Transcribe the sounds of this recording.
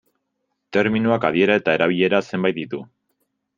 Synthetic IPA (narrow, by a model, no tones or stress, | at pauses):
t̪e̞ɾminuakað̞ie̞ɾae̞t̪ae̞ɾaβ̞iʎe̞ɾase̞mbajt̪̚d̪it̪u